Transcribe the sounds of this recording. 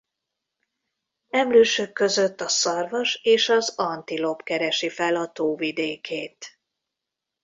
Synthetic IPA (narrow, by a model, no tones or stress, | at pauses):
ɛmløːʃøkːø̞zøt̪ːɒsɒrvɒʃeːʃɒzɒnt̪ilo̞pkɛɾɛʃifɛlɒt̪oːvid̪eːkʰeːt̪